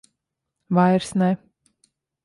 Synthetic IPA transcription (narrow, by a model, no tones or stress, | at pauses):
vajɾsnɛ